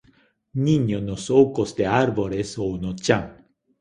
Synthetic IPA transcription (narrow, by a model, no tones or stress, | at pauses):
nĩɲonosowkosd̪eaɾboɾesonot͡ʃaŋ